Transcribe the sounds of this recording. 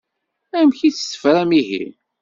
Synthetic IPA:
æmçiθθə̥fɾæmiɦḭ

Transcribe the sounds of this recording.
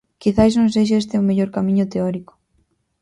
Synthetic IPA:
kiθajznõŋs̬ejʃ̬aest̪ɪomeʎoɾkamiɲʊt̪eɔɾiko̥

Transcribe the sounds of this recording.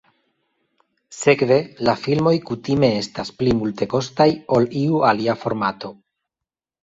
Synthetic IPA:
se̞kve̞lafilmo̞jkutime̞estasplimulte̞ko̞stajo̞liualiafo̞ɾmato̞

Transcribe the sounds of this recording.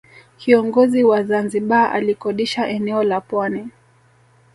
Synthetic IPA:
kʰiɔŋɡɔziwazanziɓaʔa̰likɔɗiʃaʔɛnɛɔlapwanɛ

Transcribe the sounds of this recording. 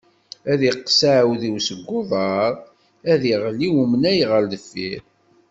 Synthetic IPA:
æðiqsʕwðiwsəɡʷːʊðˤɑɾˤ | æðiʁəlːiwumənæjʁəɾðəfːiɾ

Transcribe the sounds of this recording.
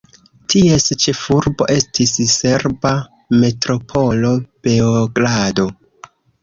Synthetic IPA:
tʰie̞st͡ʃe̞fuɾbo̞̰ʔe̞stʰisse̞ɾba | me̞tɾo̞pʰo̞lo̞b̥eoɡlado̞

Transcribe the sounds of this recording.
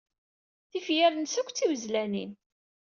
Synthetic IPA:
θifjæɾnsækʷːt͡sːiwzlænḭn

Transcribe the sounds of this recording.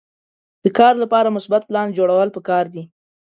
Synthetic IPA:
d̪̥əkɑɾlapɑɾamʊsbat̪̚plɑnd͡ʒoɽawəlpəkɑɾd̪i

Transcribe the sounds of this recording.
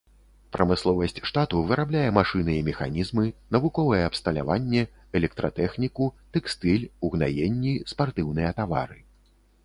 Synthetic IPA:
pɾʔɐmɨslˠɔvɐsʲt͡sʲʂt̪at̪uvɨɾablʲajɛmaʂɨnɨimʲɛxa̰nʲizmɨnɐvukɔvɐjɛɐpst̪ɐlʲa̰vanʲːɛ | ɛlʲɛk̚t̪ɾɐ̰t̪ɛxnʲikut̪ɛkst̪ɨlʲuɣna̰jenʲːispart̪ɨwn̪ɨjɐt̪ava̰ɾɨ

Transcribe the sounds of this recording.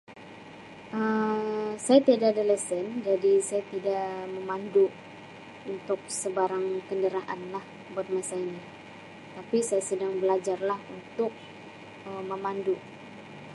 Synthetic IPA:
ʔə | sajat̪iadadaləsənd͡ʒadisajat̪idaʔməmandu | unt̪ʊk̚səbaɾaŋkəndəɾaʔanlah | bat̪̚masaini | t̪apisajasədaŋbəlad͡ʒarlahunt̪ʊk̚ | əməmandu

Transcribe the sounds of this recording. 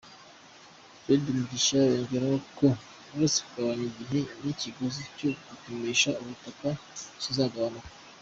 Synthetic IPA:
fedimudiʃajoːɲɟeɾajoko | uɾase̥kuɡaβaɲiɟiɦeniciɡozicoɡutumeʃauβutakasizaːɡaβanakḁ

